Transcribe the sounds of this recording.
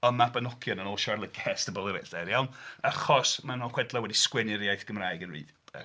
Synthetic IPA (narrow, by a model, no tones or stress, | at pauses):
ɔnmabanɔkʰjɔnənɔlʃarlˠəɡɛɛstəbɔlˠəɾɛɬd̥ɛjawnaχɔsmanoχwɛdlˠawɛdiskwɛnɪɾjajθɡ̥əmraːɨɡənrḭːð | ɛ̰